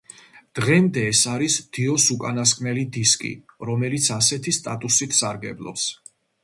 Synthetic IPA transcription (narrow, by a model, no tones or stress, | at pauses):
d̪̥ʁɛmd̪ɛːsaɾisd̪̥iɔsukʼanaskʼmɛlid̪iskʼḭɾɔmɛlit̪sʰasɛt̪ʰist̪ʼa̰t̪ʼusit̪ʰsaɾɡɛblˠɔ̰ps